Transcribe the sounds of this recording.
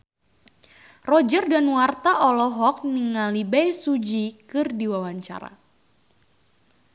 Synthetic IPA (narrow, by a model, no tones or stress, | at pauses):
rɔd͡ʒərdanwart̪aʔɔlɔɦɔk̚niŋalibɛjsud͡ʒikɨrdiwawaɲt͡ʃa̰ɾa̰